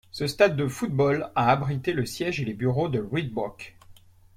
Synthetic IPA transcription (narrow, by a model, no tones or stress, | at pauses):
səst̪ad̪ːəfut̪̚bɔlaːbʁit̪eləsjɛʒelebyʁod̪əʁwid̪̚bɔk